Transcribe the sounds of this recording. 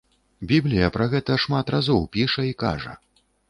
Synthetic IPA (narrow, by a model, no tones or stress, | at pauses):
bʲiblʲijɐpɾɐɣɛt̪ɐʂmat̪rʔazɔwpʲiʂɐika̰ʐɐ̰